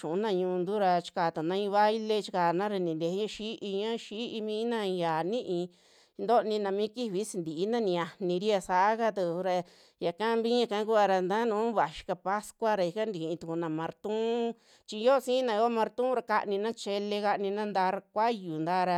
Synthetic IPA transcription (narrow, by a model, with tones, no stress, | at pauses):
ʃũ˨u˦nã˧ɲũ˧nd̪u˦ɾa˧t͡ʃi̥˧kaː˨t̪a˨nã˧˦ĩ˧βa˦jle˦˧t͡ʃi̥˧kaː˨nã˦ɾa˧nĩ˨nd̪e˧˦ɲã˦ʃi˦ʔi˧ɲã˦ʃi˦ʔi˧mĩː˦nã˧jaː˨nĩ˦ʔĩ˧ | nd̪o˦˧nĩ˧nã˧mĩː˦ki˦βi˧˦si˧nd̪i˨i˧˦nã˦nĩ˧a˧nĩ˧ɾi˦a˧sa˧ʔa˦ka˧t̪u˧ɾa˧ | ja˨kã˦mbĩ˦ɲã˧kã˦ku˦a˧ɾa˧nd̪ã˦nũ˨˦βa˨ʃi̥˧ka˧pa˦skʷa˦ɾa˧i˧ka˦nd̪i˨˧ĩ˧t̪u˧ku˧nã˨mã˧ɾt̪ũ˦ | t͡ʃi˧jo˦˧sĩ˦nã˧˨˧o˦mã˧ɾt̪ũ˦ɾa˧ka̰˧ʔnĩ˧nã˦t͡ʃe˧le˧ka˧ʔnĩ˧nã˦nd̪a˧ɾa˧kʷa˦ju˨nd̪a˦ɾa˧